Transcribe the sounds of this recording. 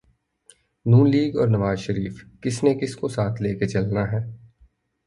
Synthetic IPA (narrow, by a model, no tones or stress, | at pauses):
nuːnliːɡɔːɾnɐʋaːzʃəɾiːfkɪsnekɪskosaːt̪ʰleːket͡ʃɐlnaɦɛː